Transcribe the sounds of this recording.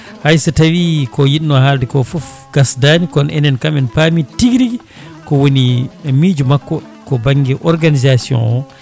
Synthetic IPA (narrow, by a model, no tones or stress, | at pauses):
hajsatawikɔjiɗnːɔhaldɛkɔfuf | ɡ̥asdaːnikɔnʔɛ̰nɛnkamɛnpamitiɡiɾiɡi | kɔwonimiːd͡ʒumakːɔ | kɔbaŋɡɛʔɔɾɡanizasijɔ̰nɔ